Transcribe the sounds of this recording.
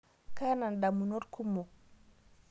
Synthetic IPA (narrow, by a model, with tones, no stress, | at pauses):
ka˦na˨nda˨mu˨no˦ɾku˦mo˨